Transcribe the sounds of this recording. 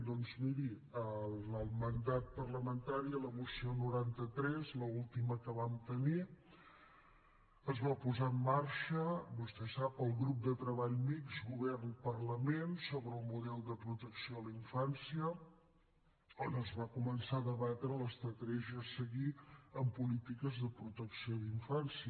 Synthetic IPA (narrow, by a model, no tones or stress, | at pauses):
d̪ɔnzmiɾiələlˠmənd̪at̪̚pərləmənt̪aɾiələβusionuɾant̪ət̪ɾɛzləulˠt̪iməkəβamt̪əni | əzβapuzaəmːaɾʃəbust̪ɛsapəlˠɣɾup̚d̪ət̪ɾəβaʎmikzɣuβɛrnpərləmensoβɾəːlˠmuðɛlˠd̪əpɾut̪əksioliɱfansiə | onəzβakumənsaðəβat̪ɾələst̪ɾət̪ɾɛʒiəsəɣiəmpulit̪ikəzðəpɾut̪əksioðiɱfansiə